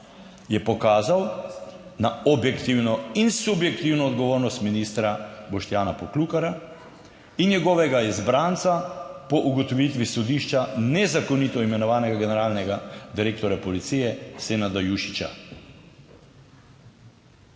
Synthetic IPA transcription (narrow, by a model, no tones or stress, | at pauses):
jɛpɔkaːzaw | naɔbjɛkt̪iwnɔinsubjɛk̚t̪iwnɔːd̪ɡɔʋoːɾnɔst̪miniːst̪ɾabɔʃt̪jaːnapɔklukaɾa | injɛɡɔːʋɛɡaizbɾant̪sapɔʔuɡɔt̪ɔʋit̪ʋisɔd̪iːʃt͡ʃanɛzakɔnit̪ɔimɛnɔʋaːnɛɡaɡɛnɛɾaːlnɛɡad̪iɾeːkt̪ɔɾjapɔlit̪sijɛsenad̪ajuʃi̥t͡ʃa̰